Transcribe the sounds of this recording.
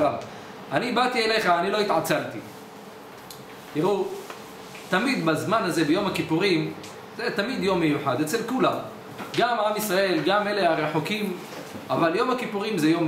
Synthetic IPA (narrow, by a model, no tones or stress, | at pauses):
a | anibat̪iele̞jχaːnilo̞it̪ʕat͡salt̪i | t̪iʁu | t̪amid̪bazmanhaze̞bejo̞makipuʁim | zet̪amid̪jo̞mːejuħad̪et͡se̞lkulam | ɡamamisʁae̞lɡame̞le̞aʁeħokim | ʔavaljo̞makipuʁimzejo̞m